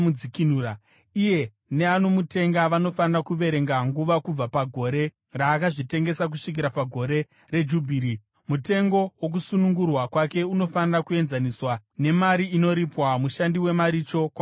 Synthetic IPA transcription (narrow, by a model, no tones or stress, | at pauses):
ud͡zikinuːɾa | ije̞ | ne̞ano̞mute̞ŋɡaʋano̞fanirakuʋe̞ɾe̞ŋɡaŋɡuʋakub͡vapaɡʱo̞ɾe̞ | raːkaʐite̞ŋɡe̞sak̬uʂik̬iɾapaɡʱo̞ɾe̞ | re̞d͡ʒubʱiːɾi | mute̞ŋɡo̞wo̞k̬usunuŋɡurwakwake̞uno̞fanirakue̞nzaniswane̞maɾiino̞ɾipwamuʃandiwe̞maɾit͡ʃo̞kwa